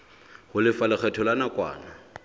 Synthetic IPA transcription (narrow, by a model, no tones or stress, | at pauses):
hʊlɪfalɪk͡xɛtʰɔlanakʼwa̰ːna